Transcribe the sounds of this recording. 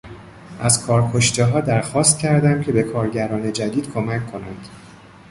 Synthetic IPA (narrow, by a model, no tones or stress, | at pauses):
ʔæzkʰɒːɾkʰo̞ʃt̪eɦɒːd̪æɾxɒːst̪̚cʲʰæɾd̪æmcʰe̞be̞kʰɒːɾɟæɾɒːne̞d͡ʒæd̪iːd̪̥kʰo̞mæcʰːo̞næ̰nd̪̥